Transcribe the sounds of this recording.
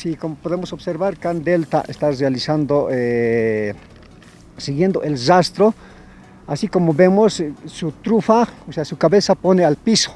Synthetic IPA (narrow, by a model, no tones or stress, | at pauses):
sikomopoðemosobseɾβaɾkand̪elt̪a̰ʔḛst̪arealisand̪oe | siɣjend̪oʔelrast̪ɾo | asikomobemosːut̪ɾufaoseasukaβesaponealpiso̥